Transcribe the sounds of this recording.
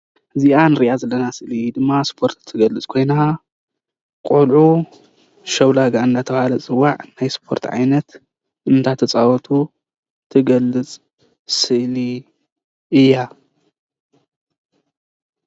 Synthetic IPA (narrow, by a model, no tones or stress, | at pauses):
ʔɨziʔanɨɾiʔazɐlːɐnasɨʔlid̪ɨmːaspʰo̞ɾt̪ʰːɨɡɐlɨt͡sʼkʰo̞jna | kʼulʕu | ʃɐwlaɡaɨnd̪at̪ʰɐβhalɐt͡sʼɨwːaʕnajspʰo̞ɾt̪ʰʕa̰jnɐt̪ | ʔɨnt̪ʰat̪ʰɐt͡sʼawɔt̪ʰu | t̪ʰɨɡɐlːɨt͡sʼ | sɨʔli | ɨjːa